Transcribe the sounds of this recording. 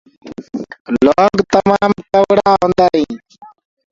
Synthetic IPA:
loːŋɡt̪ɐmaːmkɐwɽaːɦõnd̪ai

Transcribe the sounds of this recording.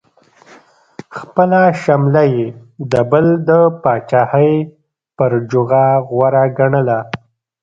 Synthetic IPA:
xpəlaʃamlajed̪əbəld̪əpɑt͡ʃɑhəj | pəɾd͡ʒʊɣaɣwaɾaɡaɳəla

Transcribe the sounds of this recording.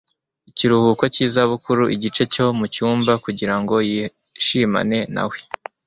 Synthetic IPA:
iciɾuhukwociːzaβukuɾuʔiɟit͡ʃe̞co̞mucuːmbakuɟiɾaŋɡo̞ji | ʃima̰ne̞na̰we̥

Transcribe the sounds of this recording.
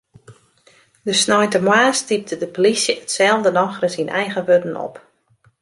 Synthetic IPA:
dəsnɔjtəmwaːstip̚tədəpolisjəətsɛlˠvdənɔxrəsinʔɛjɣəʋødən̩ɔ̰p

